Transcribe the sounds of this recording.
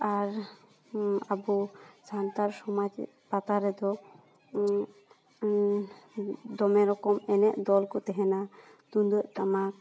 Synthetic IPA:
aɾ | abud͡ʒant̪aɾsɔmad͡ʒ | pat̪aɾɛd̪ɔ | d̪ɔmɛɾɔkɔmɛnɛʔd̪ɔlkɔt̪ɛɦɛna | t̪und̪əʔt̪amak̚

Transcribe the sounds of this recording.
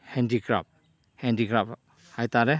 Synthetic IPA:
hɛndiɡɾa̰p̚ | hɛndiɡɾap | hajt̪aɾɛ

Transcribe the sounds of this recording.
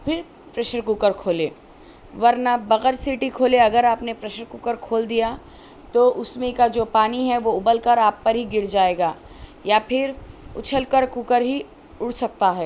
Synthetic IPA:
pʰɪɾ | pɾɛːʃəɾkukəɾkʰoːleː | ʋɐɾnabɐɣəɾsiːʈikʰoːleɐɡəɾaːpnepɾɛːʃəɾkukəɾkʰoːld̪ija | t̪oʔʊsmẽkad͡ʒoːpaːniɦɛʋoʊbəlkəɾaːpːɐɾɦiɡɪɾd͡ʒaːeːɡaː | japʰɪɾʊt͡ʃʰəlkəɾkuːkəɾɦi | ʊɽsɐk̚t̪aɦɛː

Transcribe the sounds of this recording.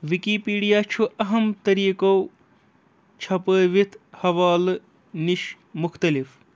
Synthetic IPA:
ʋikipiːɖijaːt͡ʃʰuʔɐɦɐmt̪ɐɾiːkow | t͡ʃʰɐpəːʋit̪ʰhɐʋaːl | niʃ | mʊxt̪ɐlif

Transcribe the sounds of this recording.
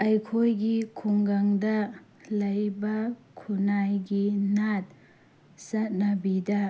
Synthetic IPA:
ajkʰojɡikʰuŋɡaŋdɐ | lɐjbɐkʰunajɡinat̚ | sɐt̚nabida

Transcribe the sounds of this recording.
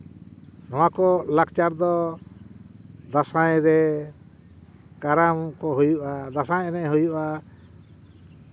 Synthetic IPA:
nɔwakɔlakt͡ʃaɾd̪ɔ | d̪asajɾɛ | kaɾamkɔɦujuʔad̪asãjɛnɛʔɦujuʔa

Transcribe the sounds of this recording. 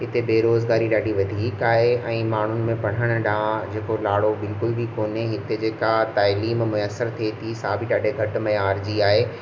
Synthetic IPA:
ɪt̪ebeːɾoːzɡaːɾiɗaːɖiʋɐd̪ʱiːkaːɦeʔɛ̃ːmaːɳ̤ʊnɪ̆mẽpɐɽ̤əɽ̃ʊɗãːd͡ʑeːkolaːɽobɪlkʊlbʱikoːneɦɪt̪ed͡ʑeːkat̪aːliːmmʊjəsəɾt̪ʰiet̪ʰisaːbʱiɗaːɖʱeɡʱɐʈmɐjaːɾd͡ʑiaːɦeː

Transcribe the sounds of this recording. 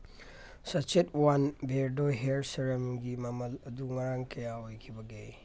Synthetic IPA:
sɐt͡ʃetwanbʱeɾdoɦeɾsɐɾɐmɡimɐmɐlɐd̪uŋɐɾaŋkɐjaɦojkʰibɐɡe

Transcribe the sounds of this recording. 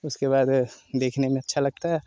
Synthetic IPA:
ʊskeβaːd̪d̪eːkʰnemẽɐtːʃʰalɐɡ̚t̪aɦɛ

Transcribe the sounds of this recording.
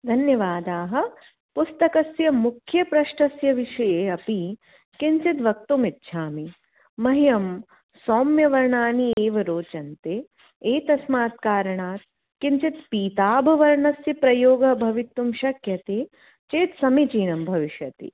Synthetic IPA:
d̪ʱɐnjɐʋaːd̪aːɦɐ̆ | pust̪ɐkɐsjɐmukʰjɐpɾɐʂʈɐsjɐʋiʃɐjeːɐpi | kinsit̪ʋɐk̚t̪umit̪ːʃʰaːmi | mɐɦijɐm | soːmjɐʋɐɾɳaːnieːʋɐɾoːt͡ʃɐnt̪e | eːt̪ɐsmaːt̪̚kaːɾɐɳaːt̪̚ | kinsit̪piːt̪aːbʱɐʋɐɾɳɐsjɐpɾɐjoːɡɐbʱɐʋit̪ːumʃɐkʰjɐt̪eː | t͡ʃeːt̪sɐmit͡ʃiːnɐmbʱɐʋiʃjɐt̪ḭ

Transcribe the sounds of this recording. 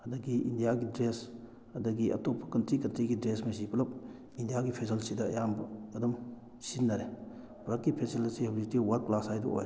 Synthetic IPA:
ɐdɐɡiindijaɡidɾes | ɐdɐɡiʔɐ̰topʰːɐ̥kɐntɾikɐntɾiɡidɾesmɐsipʰɐlɐp̚ | indijaɡipʰes̬ɐlsidɐɐ̰jambɐːdɐm | sinːɐɾe | bɐɾɐkːipʰeselɐsehobzitiwɐɾklasajdṵo̰j

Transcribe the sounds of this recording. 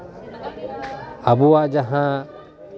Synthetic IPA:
əbuaʔd͡ʒaɦã

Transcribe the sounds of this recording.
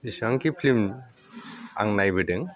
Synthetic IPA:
isaŋkipʰlim | a̰ŋnajbiʈɯŋ

